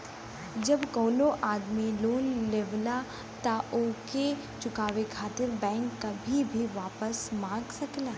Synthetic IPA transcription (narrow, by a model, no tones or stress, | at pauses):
d͡ʒɐbkɔːnoʔaːd̪miloːnleːʋla | t̪aʔoːke | t͡ʃʊkaːʋekʰaːt̪ɪɾbɛ̃ːŋkːabʱibʱiʋaːpəsmãːɡsɐklaː